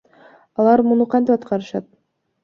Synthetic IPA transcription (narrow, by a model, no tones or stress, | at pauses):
ɑlˠɑɾmunuqʰɑnt̪ipɑt̪qʰɑɾɯʃɑt̪̚